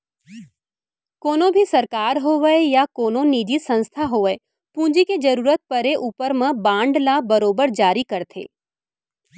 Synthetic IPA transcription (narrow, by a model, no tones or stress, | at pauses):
koːnõbʱisɐɾkaːɾɦoːʋəejakoːnõniːd͡ʒisɐ̃nst̪ʰaɦoːʋəe | pũːd͡ʒiked͡ʒɐɾuːɾət̪̚pəɾeʔuːpəɾmãbãːɳɖlabɐɾoːbəɾd͡ʒaːɾikɐɾt̪ʰḛ̃ː